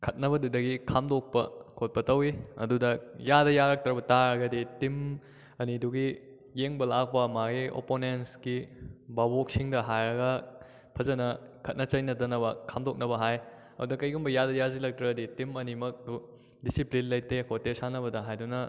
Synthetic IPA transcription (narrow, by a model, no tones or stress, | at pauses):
kʰɐt̚nɐbɐdudɐɡikʰamdok̚pɐ̰kʰot̚pɐtɐwiɐ̰dudɐjadɐjaɾɐk̚tɾɐbɐtaɾɐɡɐditim | ɐniduɡi | jeŋbɐlak̚pɐmaɡiʔo̰ponensɡibabok̚siŋdɐɦajɾɐɡɐ | pʰɐzɐnɐkʰɐt̚nɐt͡ʃɐjnɐdɐnɐβɐkʰamdok̚nɐbɐɦaj | ɐdudɐkɐjɡumbɐjadɐjazilɐk̚tɾɐɡɐditimɐnimɐk̚u | disiplinlɐj̚tekʰotːesanɐbɐdɐɦajdunɐ